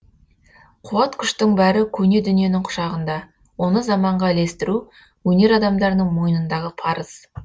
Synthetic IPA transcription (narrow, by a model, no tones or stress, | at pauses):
qʰʊwɑt̪kʲʰʏʃt̪ɪɴbæɾɪkʲʰɵne̞d̪ʏnije̞nɪɴqʰʊ̥ʃɑʁənd̪ɑ | wo̞nəzɑmɑɴʁɑle̞st̪ɪɾu | wɵne̞ɾɑd̪ɑmd̪ɑɾnəɴmo̞jənənd̪ɑʁəpʰɑɾəz̥